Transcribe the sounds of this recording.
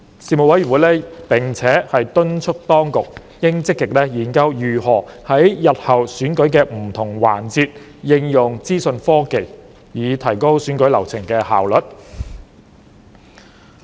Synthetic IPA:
siː˨mo˨wɐ˨˥jy˨˩nwuː˨˥jlɛː˥pɪ˨˩ŋt͡sʰɛː˨˥hɐ˨jt̪ɵ˥nt͡ʃʰɵ˥k̚t̪ɔː˥ŋkʊ˨k̚ | jɪ˥ŋt͡sɪ˥k̚ːɪ˨k̚lɛː˥jiː˨˩nkɐ˥wjyː˨˩hɔː˨˩hɐ˨˥jjɐ˨t̚hɐ˨wsyː˨˥nkɵ˨˥ɥkɛː˧m̩˨˩t̪ʰʊ˨˩ŋwa̰ː˨˩nt͡siː˧t̚ | jɪ˧ŋjʊ˨˩ŋt͡siː˥sɵ˧nfɔː˥ke˨j | jiː˨˧t̪ʰɐ˨˩jko˥wsyː˨˥nkɵ˨˥lɐ˨˩wt͡sʰɪ˨˩ŋkɛː˧ha̰ː˨wlɵ˨˩t̚

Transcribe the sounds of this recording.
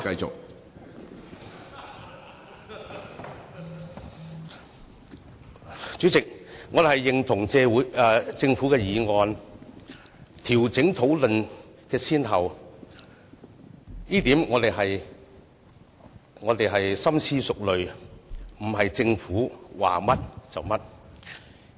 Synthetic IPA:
kɐ˧jt͡sʊ̰˨k̚ | t͡ʃy˨˥t͡sɪ˨k̚ŋɔː˨˧d̪hɐ˨˩jːɪ˨ŋt̪ʰʊ˨˩ŋt͡sɛː˧wːjt͡sɪ˧ŋfu˨˥kɛː˧jiː˨˧ŋɔː˧n | t̪ʰiː˨˩wt͡sɪ˨˥ŋt̪ʰo˨˥wlɵ˨nkɛː˧sʰiː˥nhɐ˨˩w | iː˥t̪iː˨˥mŋɔː˨˧t̪e˨jɦɐ˨j | ŋɔː˨˧t̪e˨jɦɐ˨jsɐ˥msʰiː˥sʊ˨k̚lɵ˨ɥ | m̩˨˩ɦɐ˨jt͡sɪ˧ŋfuː˨˥wa̰ː˨mɐ˥t̚t͡sɐ̰˨wmɐ˥t̚

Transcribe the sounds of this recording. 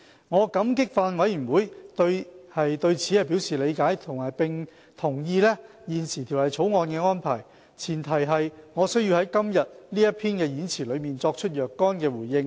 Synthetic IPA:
ŋɔː˨˧kɐ˨˥mkɪ˥k̚faː˧nwɐ˨˥jy˨˩nwuː˨˧˦jt̪ɵ˧ɥhɐ˨jt̪ɵ˧ɥt͡sʰiː˨˥hɐ˨jpiː˨˥wsiː˨˩le˨˧jkaː˨˥jt̪ʰʊ˨˩ŋɐ˨˩jpɪ˨ŋ | t̪ʰʊ˨˩ŋjiː˧lɛː˥ | jiː˨˩nsiː˨˩t̪ʰiː˨˩whɐ˨˩jt͡sʰo˨˥wŋɔː˧nkɛː˧ŋɔː˥npʰa̰ː˨˩j | t͡sʰiː˨˩nt̪ʰɐ˨˩jɦɐ˨jŋɔː˨˧sɵ˥ɥji˧hɐ˨˥jkɐ˥mjɐ˨t̚liː˥jɐ˥t̚pʰiː˥nkɛː˧jiː˨˥nt͡sʰiː˨˩lɵ˨˧ɥmiː˨nt͡sɔː˧k̚t͡ʃʰɵ˥t̚jœː˨kːɔː˥nkɛː˧wuː˨˩jːɪ˧ŋ

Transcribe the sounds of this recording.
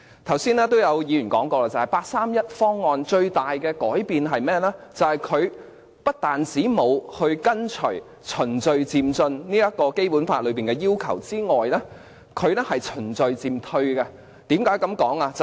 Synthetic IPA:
t̪ʰɐ˨˩wsiː˥nɛː˥t̪o˥wjɐ˨˧wjiː˨˧jy˨˩nkɔː˨˥ŋkɔː˧laː˧t͡sɐ˨˩hɐ˨jpaː˧k̚saː˥mjɐ˥t̚fɔː˥ŋːɔː˧nt͡ʃɵ˧ɥt̪aː˨jkɛː˧kɔː˨˥jpiː˨nɦɐ˨jmɛː˥lɛː˥t͡sɐ˨˩whɐ˨jkʰɵ˨˧ɥ | pɐ˥t̚t̪aː˨˩nt͡siː˨˥mo˨˧whɵ˧ɥkɐ˥nt͡ʃʰɵ˨˩ɥ | t͡ʃʰɵ˨˩nt͡sɵ˨ɥt͡siː˨mt͡sɵ˧nniː˥jɐ˥t̚kɔː˧ke˥jpuː˨˥nfaː˧t̚lɵ˨˧ɥpiː˨nkɛː˧jiː˥wkʰɐ˨˩wt͡siː˥ŋɔː˨˩jlɛː˥ | kʰɵ˨˧ɥnɛ˥hɐ˨jt͡ʃʰɵ˨˩nt͡sɵ˨ɥt͡siː˨mt̪ʰɵ˧ɥɡɐ˧ | t̪iː˨˥mkaː˨˥jkɐ˨˥mkɔː˨˥ŋaː˧t͡s

